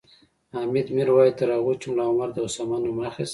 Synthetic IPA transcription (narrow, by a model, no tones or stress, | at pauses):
amid̪miɾwɑjt̪əɾaɣut͡ʃumlɑʊmaɾd̪əʊsamɑnomaxis